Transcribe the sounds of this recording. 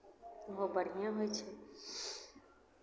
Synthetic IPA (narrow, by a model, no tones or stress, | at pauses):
ʋobəɽ̤ijãɦoet͡ʃʰe